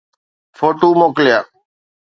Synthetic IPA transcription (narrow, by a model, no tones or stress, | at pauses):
foːʈuːmoːkljaː